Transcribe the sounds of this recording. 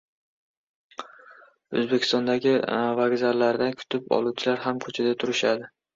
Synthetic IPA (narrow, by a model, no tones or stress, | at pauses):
ɵ̰zbekʰʲɪ̥st̪ɒnd̪aɡʲɪvaɡʲzaɾlaɾd̪ankʲʰʊ̥t̪ʰɪpɒ̰lˠuwt͡ʃʰɪlaɾɦamkʰɵt͡ʃʰad̪at̪ʰʊɾɪʃad̪ɪ